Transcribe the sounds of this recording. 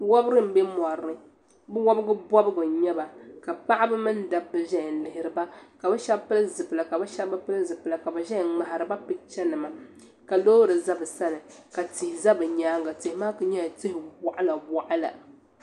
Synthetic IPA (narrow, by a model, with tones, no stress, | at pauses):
wɔ˦bɨ˦ɾɨ˦m̩˦bɛ˦mɔ˨ɾɨ˦ | bɨ˦wɔ˦bɨ˦ɡɨ˦bɔ˦bɨ˦bɨ˨ɲɛ˦ba˨ka˨pa˦ʔa˦bɨ˦mɨ˦n˦da˨bːɨ˨ʒɛ˦˨n̩˨lɪ˨hɪ˨ɾɨ˨ba˦ka˨bɨ˦ʃa˦bpɨ˦lɨ˦zɨ˨pɨ˨la˨ka˨bɨ˦ʃa˦bɨ˦pɨ˦lɨ˦zɨ˨pɨ˨la˨ka˨bɨ˨ʒɛ˦˨ŋ͡ma˨ha˨ɾɨ˨ba˦pɨ˦t͡ʃɛ˦nɨ˨ma˨ | ka˨loː˦ɾɨ˨za˦bɨ˨sa˦nɨ˨ka˨tɪ˨hɪ˨za˦bɨ˨ɲaː˦ŋɡa˨tɪ˨hɪ˨maː˦kɨ˦ɲɛ˦˨tɪ˦hɪ˨ba˨ʔa˦la˨ba˨ʔa˦la̰˨